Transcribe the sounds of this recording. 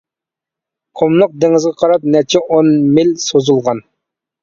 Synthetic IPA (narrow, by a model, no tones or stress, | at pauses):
qʰomlˠʊq̚d̪eŋɪzʁɑqʰɑɾɑp̚nɛt͡ʃʰɛʔonmɪlsozulˠʁɑn